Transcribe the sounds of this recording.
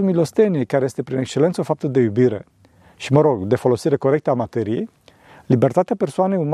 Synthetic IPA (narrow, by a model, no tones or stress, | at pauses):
umilo̞st̪e̞niekaɾeje̞st̪e̞pɾinekst͡ʃe̞le̞nt̪səofap̚t̪əd̪e̞jubiɾe̞̰ | ʃiməɾo̞ɡd̪e̞fo̞lo̞siɾe̞ko̞ɾe̞k̚t̪əamat̪e̞ɾije̞̰j | libe̞rt̪at̪eapersoane̞jum